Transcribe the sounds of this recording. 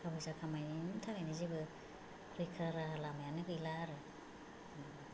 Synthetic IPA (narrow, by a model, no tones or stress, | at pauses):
kʰabajsakʰamajnimtʰaɡajnizibɯ | ɾɯkʰɯɾaɾaɦalamajanɯkɯjlaɾɯ